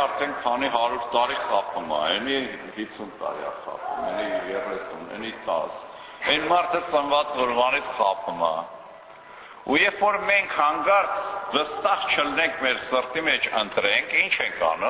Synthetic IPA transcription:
ɑɾt̪ʰɛnkʰɑniɦɑɾuɾt̪ɑɾiχɑpʰumɑ̰ɛnihit͡sʰːunt̪ɑ̰ɾj̰ɑ̰χɑ̰pʰumɛnijɛrɛsunɛ̰nit̪ɑ̰s | ɛnmɑɾt̪ʰət͡sənvɑt͡svɔɾvɑnit͡sʰχɑpʰumɑ̰ | ujɛfːɔɾmɛŋkʰhɑŋɡɑɾt͡sʰvəst̪ɑʁt͡ʃʰəlnɛŋkʰmɛɾsəɾt̪imɛt͡ʃʰənt̪ɾɛŋkʰint͡ʃʰɛŋkʰɑ̰nu

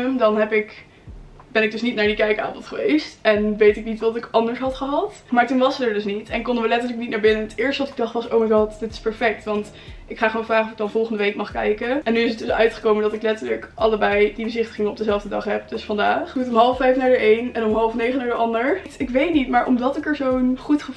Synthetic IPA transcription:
əmdɑnɦɛpɪk | b̥ɛnɪɡ̚dɵsnitnaːɹdikɛjka̰ːfɔntχəʋejstɛnʋejtɪk̚nitʋdtɪkɑndəɹsɦɑtχəɦɑt | maːɹtunʋɑsətəɹdɵsnitɛnkɔndəʋəlɛtəɹləknit̚naːɹbɪnəətɪːɹstəʋɑtidɑχʋɑsowməɑtd̥ɪtɪ̥spɛɹfɛk̚tʋɑnt | ʔɪkχaːχməfraːχɔfɪɡ̚dɑnvɔlˠχəndəʋejkmɑχkɛjkəɛnːyɪsədɵsœ̰ɥtχə̥kowməndɑtɪklɛtəɹləkʔɑləbɛjdibəzɪχtəχɪŋəɔb̚dəzɛlˠvdədɑχɦɛp̚d̥ɵsfɑndaːχmɦɑlˠfɛjfnaːɹdəʔejnɛnɔmɦɑlˠfnejχənaːɹdəʔɑndəɹtɪkʋejtnitmaːɹʔɔ̰mdɑtɪkɛɹzownχutχə

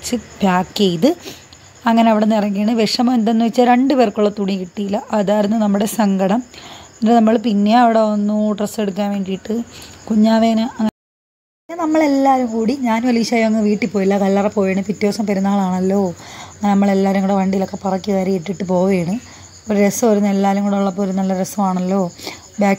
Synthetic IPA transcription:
t͡ɕːɨbʱaːkːejðɨ | ɐŋːɐne̞ɐʋiɽenːirɐŋːijɐɳɨʋeʂɐmɐnd̪ɐnːuʋɐt͡ɕːaɾe̞ɳɖɨpe̞ːrkːuɭːɐt̪uɳikiʈːijilːɐʔɐðaːjiɾunːunɐmːuɽe̞sɐŋɡɐɽɐmndenɐmːɐɭpinːeɐʋiɽeonːuʈrɐste̞ɽuk̬ːaːnʋe̞ːɳɖijiʈːɨkuɲːaːʋeːnɐŋː | enɐmːɐɭe̞lːaːɾumkuːɽiɲaːnʋɐliːɕaːjʋɐŋːɐʋiːʈːipːoːjilːɐkɐlːɐrɐpːo̞ːjeɳɨpitːo̞ːsɐmpeɾunːaːɭaːɳɐlːo̞ːnɐmːɐɭe̞lːaːɾuŋɡuɽeʋɐɳɖijilo̞kːe̞pɐrɐkːiʋɐːɾeiʈːiʈːɨpo̞ːʋejɳɨ | oɾuɾesɐmoɾunelːaːlumkuːɽeuɭːɐpːooɾunɐlːɐɾesɐmaːɳɐlːo̞ː | baː

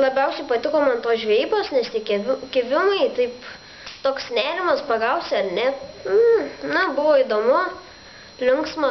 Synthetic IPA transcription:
lˠɐbʲɛʊsʲɛɪpɐt̪ʲɪkoːmɐnt̪oːsʒʲʋʲɛjiːboːsnʲɛst̪ʲiɛkʲɛɪkʲɪʋʲɪmɐɪt̪ɐɪp | t̪oːksnʲæːɾʲɪmɐspɐɡɐʊsʲɛɐɾnʲɛnʊnʊbʊʋoːid̪oːmʊ | lʲɪŋksmɐ

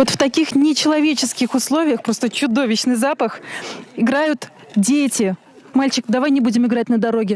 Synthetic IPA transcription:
ot̪ft̪ɐkʲixnʲɪt͡ɕɪlˠɐvʲet͡ɕɪskʲɪxʊslˠo̞vʲɪjəxpɾo̞st̪ət͡ɕʊd̪o̞vʲɪɕnɨjzapəxɪɡɾajʊt̪ | dʲetʲɪ | malʲt͡ɕɪkd̪ɐvajnʲɪbudʲɪmɪɡɾat̚ʲnəd̪ɐɾo̞ɡʲɪ

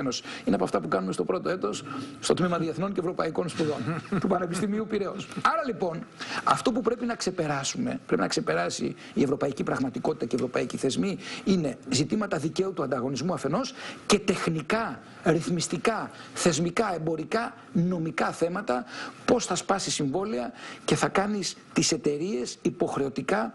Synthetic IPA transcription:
enosi̥ineɐpoɐft̪ɐpukɐnumest̪o̞pɾo̞t̪o̞e̞t̪o̞sst̪o̞t̪mimɐðieθno̞nce̞vɾo̞pɐiko̞nspuðo̞nt̪upɐne̞pist̪imiupiɾe̞osɐɾɐlipo̞nɐ̰ft̪o̞pupɾe̞pinɐkse̞pe̞ɾɐsume̞̰pɾe̞pinɐkse̞pe̞ɾɐsḭ | ievɾo̞pɐicipɾɐɣmɐt̪iko̞t̪it̪ɐceevɾo̞pɐiciθe̞zmiine̞zit̪imɐt̪ɐðice̞ut̪uɐnd̪ɐɣo̞nizmuɐfe̞no̞sce̞t̪e̞xnikɐ | ɾiθmist̪ikɐθe̞zmikɐe̞mbo̞ɾikɐ | no̞mikɐθe̞mɐt̪ɐpo̞sθɐspɐsisiɱvo̞liɐce̞θɐkɐnis | t̪ise̞t̪e̞ɾie̞sipo̞xɾe̞o̞t̪ikɐ

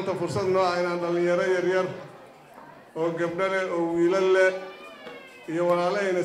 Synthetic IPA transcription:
nt̪ʰɐfʊrsɐd̪nɔːaːɪnaːnɖɐlɪ̃jɐɾɐjɐrjɐr | ɔːɡɐb̚ɖɐlɛɔːwiːlɐlɛ | ijɔwɑlaːlɛɦɛnɐ

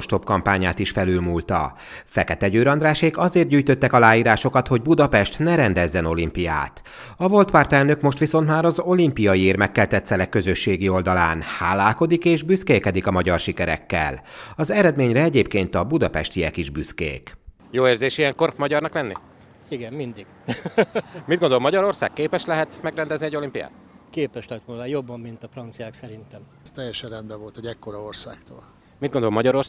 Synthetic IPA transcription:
ʃt̪o̞pkɒmpaːɲaːt̪iʃfɛlylmuːlt̪ɒ̰ | fɛkɛt̪ɛɟøːɾɒnd̪raːʃeːkɒzeːrd̪ɟyːjt̪ø̞t̪ːɛkɒlaːiːɾaːʃo̞kɒt̪ho̞ɟbud̪ɒpɛʃt̪nɛɾɛnd̪ɛzːɛno̞limpija̰ːt̪ | ɒvo̞lt̪paːrt̪ɛlnøkmo̞ʃt̪ʋiso̞nt̪maːɾɒzo̞limpijɒjieːrmɛkːɛlt̪ɛt̪sːɛlɛkːø̞zø̞ʃːeːɡio̞ld̪ɒlaːnhaːlaːko̞d̪ikeːʒbyskeːkɛd̪ikɒmɒɟɒrʃikɛɾɛ̰kːɛ̰lɒzɛɾɛd̪meːɲrɛɛɟeːpkeːnt̪ɒbud̪ɒpɛʃt̪iɛkiʒbyskḛːk | joːeːrzeːʃijɛŋko̞rmɒɟɒrnɒklɛnːḭ | iɡɛmmind̪iɡ | mid̪ɡond̪olmɒɟɒɾo̞rsa̰ːkkːeːpɛʃlɛɦɛt̪mɛɡrɛnd̪ɛzniɛɟo̞limpija̰ːt̪ | keːpɛʃlɛt̪ʋoːlajo̞bːɒmːint̪ɒfrɒnt̪sijaːksɛɾint̪ɛm | t̪ɛjːɛʃɛrɛnd̪ɛvo̞lt̪ɛɟɛkːo̞ɾɒorsa̰ːkt̪o̰ːl | mid̪ɡo̞nd̪o̞lmɒɟɒɾo̞r

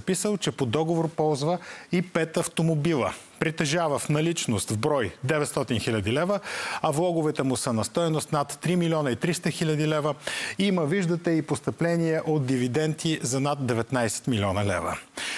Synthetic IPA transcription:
ɐpisəlˠt͡ʃɛpod̪ɔɡovoɾpɔlˠzvəipɛt̪ɐft̪omobilˠə̰ | pɾit̪ɛʒavəfnɐlit͡ʃnost̪vbɾɔjd̪ɛvɛt̪st̪ɔt̪inxilʲɐd̪ilɛvəɐvlˠɔɡʊvɛt̪ɛmʊsənɐst̪ɔɛnost̪nat̪ːɾimilʲɔnɐit̪ɾist̪əxilʲɐd̪ilɛvəiməviʒd̪ət̪ɛipost̪ɐplɛniɛʔot̪̚d̪ivid̪ɛnt̪izɐnat̪̚d̪ɛvɛt̪najsɛ̥t̪milʲɔnəlɛ̰və̰

